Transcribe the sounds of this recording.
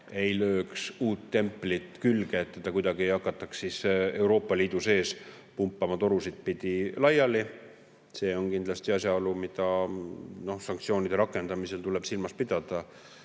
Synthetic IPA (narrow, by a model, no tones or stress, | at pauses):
e̞jlø̞ːksuːt̪ːe̞mpːlit̪kylɡ̥e̞ːt̪ːed̪̥ɑkujd̪ɑɡ̥iejɑkːˑɑt̪ːˑɑkssise̞wɾo̞ːpːˑɑliːd̪̥use̞ːs | pumpˑːɑmɑt̪o̞ɾusid̪̥̚pid̪̥ilɑjɑli | se̞ːo̞nkind̪lɑst̪iɑsʲjɑolumid̪̥ɑ | no̞hsɑŋkt̪sio̞ːnid̪̥e̞ɾɑkːˑe̞nd̪̥ɑmise̞lt̪ule̞b̥silmɑspid̪̥ɑd̪̥ɑ